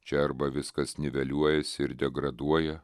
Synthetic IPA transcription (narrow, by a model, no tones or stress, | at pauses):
t͡ʃʲɛɐɾbɐʋʲɪskɐsnʲɪʋʲɛlʲuɔjɛsʲɪɪɾd̪ʲɛɡɾɐd̪uɔjɛ